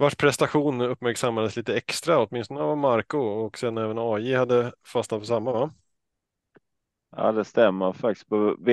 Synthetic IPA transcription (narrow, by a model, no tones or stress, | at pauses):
vaʂpʰɾɛst̪aɧuːnɵpːmæɾksamːad̪əsliːt̪əɛkst̪ɾaɔt̪̚mɪnst̪ɔnəvamaɾkʊɔksɛd̪nɛːvənɑːjɪhad̪ːəfasnat̪pɔsamːava | a̰ːd̪ɛst̪ɛmːəɾfak̚t̪ɪ̥st̚pʰɔv